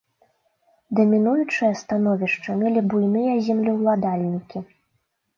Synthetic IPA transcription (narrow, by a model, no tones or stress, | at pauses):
d̪ɐmʲinujut͡ʂɨjɐst̪an̪ɔvʲiʂt͡ʂɐmʲɛlʲibujnɨjɐzʲɛmlʲiwlˠad̪alʲnʲikʲi